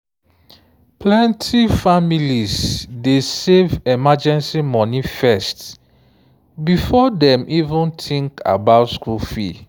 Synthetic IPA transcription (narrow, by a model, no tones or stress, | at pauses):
plɛ̃ntʰifamilizdesevɛmad͡ʒɛ̃nsimɔ̃nifɛst | bifɔdɛ̃mʔivũntʰĩŋka̰baʊtskulfḭ